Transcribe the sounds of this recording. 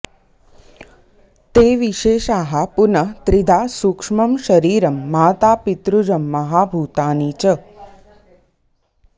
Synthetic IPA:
t̪eːʋiʃeːʃaːɦapunət̪ɾid̪ʱasukʂmɐmʃɐɾiːɾɐmːaːt̪aːpit̪ɾud͡ʒəmːɐɦabʱuːt̪aːniːt͡ʃə

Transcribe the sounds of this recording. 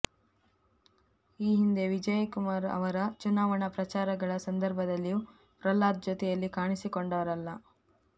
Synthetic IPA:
iːɦind̪e̞ʋid͡ʒɐjkumaːɾɐ̰ʋɐɾɐt͡ʃunaːʋɐɳɐpɾɐt͡ʃaːɾɐɡɐɭɐsɐnd̪ɐɾbʱɐd̪ɐlːiju | pɾɐlːaːt̪̚d͡ʒot̪ɛjɐlːikaːɳisikoɳɖɐʋɐɾɐlːɐ

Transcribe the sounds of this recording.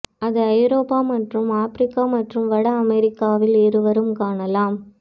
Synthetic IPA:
ɐðɯɐjɾoːpːaːmɐʈrɯmaːfɾɪkːaːmɐʈrɯmʋɐɽɐɐmɛɾɪkːaːʋɪlɪɾɯʋɐɾɯmkaːɳɐlaːm

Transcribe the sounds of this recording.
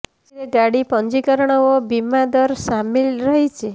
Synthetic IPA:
iɾeɡaɽipɔɲd͡ʒikəɾɳ̃ɔʋɔbimad̪ɔɾsamilɾəɦit͡ʃʰe

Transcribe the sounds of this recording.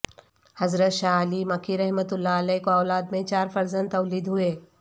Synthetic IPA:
hɐzɾət̪ʃaːəlimɐkʰiɾɛɦmət̪ʊlːaɐlɛkoɔːlaːd̪mẽt͡ʃaːɾfɐɾzə̃nd̪ɐːliːd̪ɦʊeː

